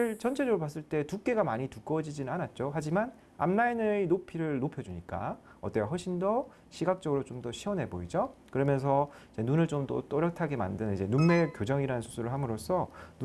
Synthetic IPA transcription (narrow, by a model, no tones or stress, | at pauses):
ɯɭt͡ɕʰʌnt͡ɕʰed͡ʑʌɾopas͈ɯɭt͈e̞tuk͈e̞ɡamaɲituk͈ʌd͡ʑid͡ʑinɯnanat̚t͡ɕ͈oɦad͡ʑiman | a̰mnainɯnopʰiɾɯɭnopʰjʌd͡ʑuɲik͈a̰ | ʌt͈ewɦʌɭɕʰindʌ | ɕʰiɡak̚t͡ɕ͈ʌɡɯɾot͡ɕomdʌɕʰiʌnɦe̞boid͡ʑokɯɾʌmjʌns̬ʰʌid͡ʑe̞nunɯɭt͡ɕomt͈o̰t͈oɾjʌk̚tʰaɡe̞ma̰ndɯnɯnid͡ʑe̞nunːe̞kjod͡ʑʌŋiɾanɯnsʰusʰuɾɯɭɦamɯɾos͈ʰʌn